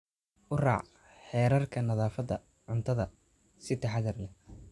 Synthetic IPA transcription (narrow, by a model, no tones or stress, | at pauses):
ʔʊrɑ̰ːʕ | ħɛːɾɐrkʰɐnɐðaːfɐðɐ | ʕʊnt̪ʰɐðɐ | sɪt̪ʰɛħɑðɐrnɐ